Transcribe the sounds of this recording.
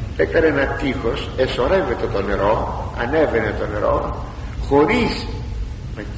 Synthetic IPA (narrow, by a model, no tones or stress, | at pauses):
ekɐnenɐt̪ixo̞se̞so̞ɾe̞ve̞t̪e̞t̪o̞ne̞ɾo̞ɐ̰ne̞ve̞ne̞t̪o̞ne̞ɾo̞̰ | xo̞ɾis | nɐ